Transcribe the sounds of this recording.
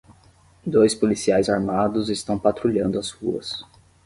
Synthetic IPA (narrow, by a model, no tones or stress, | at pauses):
d̪ojspolisiajzaɾmad̪ʊzest̪ɐ̃w̃pat̪ɾuʎɐ̃nd̪ʊɐzhṵɐ̰s